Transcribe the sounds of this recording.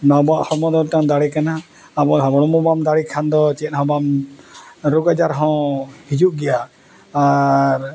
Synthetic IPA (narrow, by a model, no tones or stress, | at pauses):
nabaʔhɔmɔd̪ɔʈãd̪aɽikanaː | bɔɦɔbɔɽ̃ɔmɔbamd̪aɽikʰand̪ɔt͡ʃɛt̪̚ˀhɔ̃bam | ɾuɡad͡ʒaɾɦɔ̃hid͡ʒuʔɡɛjaː | ɾ